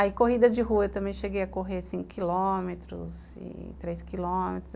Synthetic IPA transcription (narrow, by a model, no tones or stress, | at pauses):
aikoɦid̪ɐd͡ʒɪɦuɐet̪ɐ̃mbẽj̃ʃeɡejɐkoɦesĩŋkʊ̥kilomet̪ɾʊ̰z | ɪ̰t̪ɾejskilomet̪ɾʊ